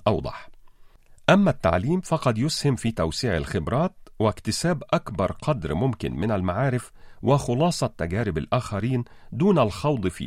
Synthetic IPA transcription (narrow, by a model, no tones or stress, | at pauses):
ʔɑwd̪ˤɑ̰ħ | ʔæmːæt̪ːa̰ʕliːmfɑqɑd̪jʊshɪmfiːt̪æwsiːʕa̰lxɪbɾˤɑːt̪̚wɪkt̪ɪsæːbʔækbɑɾˤqʰɑd̪ɾmʊmkɪ̰nmɪnælmaʕaːɾɪfwɪxʊlɑːsˤɑt̪ːæɡæːɾɪba̰lʔæːxæɾiːn | d̪uːnælxɑwd̪ˤfḭː